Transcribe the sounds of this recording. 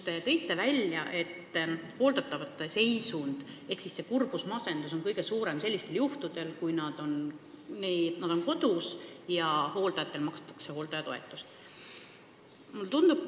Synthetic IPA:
t̪e̞t̪ɤ̞jt̪ˑːe̞vælʲjɑʔet̪ːho̞ːld̪̥ɑt̪ːˑɑvɑt̪ːˑese̞jsund̪̥e̞hksisːe̞kurb̥usmɑse̞nd̪̥uso̞nkɤjɡ̥e̞suːɾe̞mse̞lːist̪e̞ljuht̪ud̪̥e̞lkujnɑd̪̥o̞n | net̪nɑd̪̥o̞nko̞d̪usjɑho̞ːld̪ɑjɑt̪ːˑe̞lmɑkst̪ːˑɑ̥kse̞ho̞ːld̪ɑjɑt̪o̞e̞t̪ːˑust̪ | mult̪und̪̥ub̚

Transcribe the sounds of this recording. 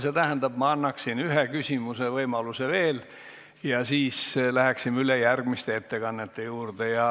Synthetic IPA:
se̞t̪æɦend̪ɑb̥mɑɑnːɑksinyɦekysʲimusevɤjmɑluse̞ve̞ːl | jɑsiːslæheksimylejærɡ̥mist̪eet̪ːe̞kɑnːet̪ːe̞juːrd̪̥ejɑ

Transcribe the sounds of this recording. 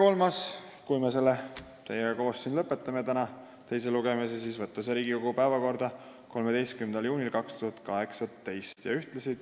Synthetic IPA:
ko̞lmɑs | kujmes̬e̞lːe | t̪e̞jeɡɑko̞ːsːind̪lɤpːˑe̞t̪ːˑɑmet̪ænɑ | t̪e̞jseluɡ̥emesesiːsvɤt̪ːˑɑseɾiːɡikoɡ̥upæevɑko̞rd̪̥ɑ | ko̞lmed̪e̞jst̪̚kymenɑljuːnilkɑkst̪uhɑt̪kɑɦe̞ksɑt̪e̞jst̪jɑ̰yht̪lesid̪̥

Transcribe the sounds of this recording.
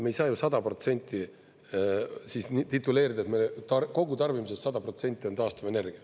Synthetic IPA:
me̞jsɑːjusɑd̪̥ɑpro̞t̪se̞nʲt̪ʲːˑi | sisit̪it̪ːˑuleːɾid̪ɑet̪melet̪ɑrko̞ɡ̥ut̪ɑrvimuse̞st̪sɑd̪̥ɑpro̞t̪se̞nʲt̪ʲːˑit̪ɑːst̪uve̞ne̞rɡ̥iɑ

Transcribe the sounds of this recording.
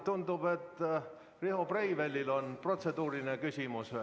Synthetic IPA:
t̪und̪ub̥e̞t̪ːˑ | riɦoprejvelʲːilo̞npro̞t̪se̞d̪̥uːɾinekysʲimus

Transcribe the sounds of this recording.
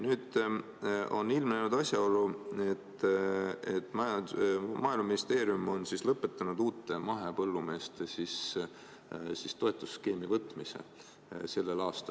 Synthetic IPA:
nyːd̪̥ | o̞̰nːilmnenud̪ɑsʲjɑo̞luet̪ː | et̪ːˑmɑjɑmɑːjlmɑminist̪e̞ːɾiumo̞nsislɤpːˑe̞t̪ːˑɑnud̪̥uːt̪ːˑe̞mɑɦe̞pɤlːume̞ːst̪sis | sist̪o̞e̞t̪ːˑusːke̞ːmivɤt̪ːˑmise̞̰ | se̞lːe̞lɑːst̪ɑ

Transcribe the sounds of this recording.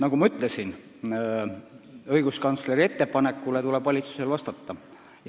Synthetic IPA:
nɑkumɑyt̪ˑle̞sin | ɤ̞jɡ̥uskɑnt̪sle̞ɾie̞t̪ːe̞pɑne̞kːˑule̞t̪ule̞b̥vɑlʲit̪su̥se̞lvɑst̪ɑt̪ːɑ

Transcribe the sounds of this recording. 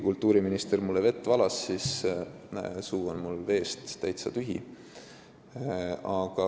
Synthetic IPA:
kult̪ːˑuːɾiminist̪ermulːeve̞t̪ːˑvɑlɑsːis | suːonmulve̞ːst̪t̪ːæjt̪sɑt̪yɦḭ | ɑɡ̥ɑ

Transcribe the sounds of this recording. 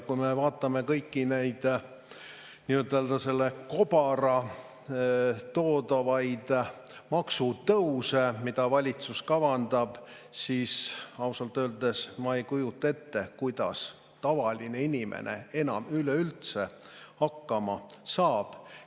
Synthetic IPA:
kujmevɑːt̪ːˑɑme̞kɤjkːinejd̪̥ | niøt̪eld̪ɑse̞lːeko̞b̥ɑɾɑ | t̪o̞ːd̪ɑvɑjd̪̥ | mɑksut̪ɤwsemid̪̥ɑvɑlʲit̪suskɑvɑnd̪ɑb̥ | siːsɑuwsɑlt̪ːˑøːld̪e̞smɑejkujut̪ːˑɑe̞t̪ːe̞kujd̪̥ɑ̰s | t̪ɑvɑlʲineinʲimʔḛnʔḛe̞nɑmyleylt̪sehɑkːɑmɑsɑːb̥

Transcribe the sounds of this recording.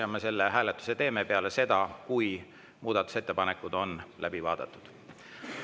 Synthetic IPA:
ɑmese̞lːeɦæːlet̪ːˑu̥se̞t̪e̞ːme̞pe̞ɑle̞se̞d̪̥ɑkuj | muːd̪̥ɑt̪ːˑu̥se̞t̪ːe̞pɑne̞kːˑud̪o̞nlʔæb̥ivɑ̰ːd̪̥ɑt̪ːˑud̪̥

